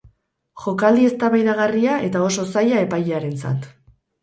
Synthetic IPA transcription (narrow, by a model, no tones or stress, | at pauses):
ʝo̞kald̪ie̞st̪aβajðaɣ̞ariaʔe̞t̪ao̞so̞sajae̞pajeaɾe̞nt͡sa̰t̪